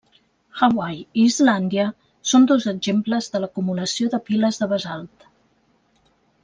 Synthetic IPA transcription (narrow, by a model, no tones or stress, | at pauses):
xawajiːzland̪iə | sond̪ozəɡʒempləzðələkumuləsioðəpiləzðəβəzalˠt̪